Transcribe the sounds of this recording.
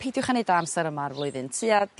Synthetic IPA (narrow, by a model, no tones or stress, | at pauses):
pʰejdjʊwχanedamsɛɾəmarvlˠʊɨðɨntʰiːad